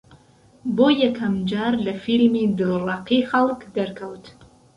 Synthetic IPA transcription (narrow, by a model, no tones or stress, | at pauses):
bojakʰamd͡ʒarlafilmidɨlraqiχalkʰdaɾkʰawtʰ